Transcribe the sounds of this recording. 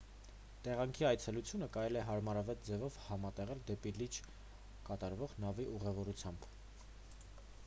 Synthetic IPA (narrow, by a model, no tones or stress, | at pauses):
t̪ɛʁɑŋkʰiɑjt͡sʰɛlut͡sʰjunəkɑjɛlɛɦɑɾmɑɾɑvɛt̪̚d͡zɛvɔvhɑmɑt̪ɛʁɛld̪ɛpilit͡ʃʰ | kɑt̪ɑɾvɔʁnɑviʔuʁɛvɔɾut͡sʰjɑmb